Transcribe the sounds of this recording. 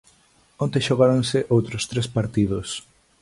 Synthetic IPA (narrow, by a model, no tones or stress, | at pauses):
ont̪eʃoɣaɾoŋsɪʔowt̪ɾʊst̪ɾespaɾt̪iðʊs